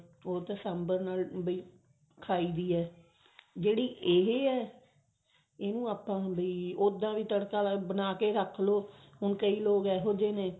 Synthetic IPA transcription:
oːt̪əsɛmbəɾnaːlbəiː | kʰaːiːd̪iːɛː | d͡ʒeːɽiːʔeɦeːɛː | eːnũːaːpãːbəiːod̪ãːʋiːt̪əɽkaːbənaːkeːɾəkʰloː | ɦʊnkəiːloːɡɛːɦoːd͡ʒeːneː

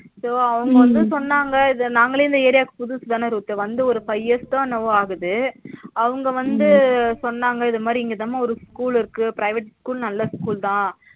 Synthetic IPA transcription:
soːɐʋɐŋɡɐʋɐnd̪ɯsɔnːaːŋɡɐɪðnaːŋɡɐɭeːɪnd̪ɐeːɾɪjaːkːɯ̥pʊðuːsɐðaːnɐɾuːt̪ːɐʋɐnd̪ɯɔɾɯpɐɪɛst̪ãːnɐʋaːɣɯðɯɐʋɐŋɡɐʋɐnd̪ɯsɔnːaːŋɡɐɪðɐmaːd̪ɾiɪŋɡɐðaːmaɔɾɯskuːɭɪɾɯkːɯpɪɾɐɪʋɛʈskuːlnɐlːɐskuːlt̪ãː

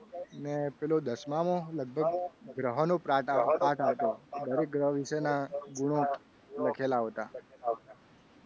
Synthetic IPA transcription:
ənepelod̪əsmamõləɡ̚bʱəɡɡɾəɦənõpɾaʈaaʈʰat̪od̪əɾek̚ɡɾəɦəʋiʃenaɡuɽ̃õ | ləkʰelaɦot̪aa

